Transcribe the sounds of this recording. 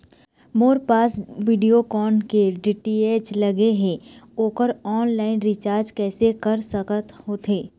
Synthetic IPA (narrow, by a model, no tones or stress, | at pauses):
moːɾpaːsʋiɖijokɔːnkeɖiʈieːd͡ʒlɐɡeɦẽoːkəɾɔːnlaːɪnɾɪt͡ʃaːɾd͡ʒkɛːsekɐɾsəkət̪hoːt̪ʰeː